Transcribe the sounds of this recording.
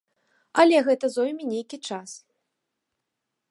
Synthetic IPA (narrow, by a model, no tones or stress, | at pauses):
ɐlʲɛɣɛt̪ɐzɔwmʲinʲejkʲit͡ʂas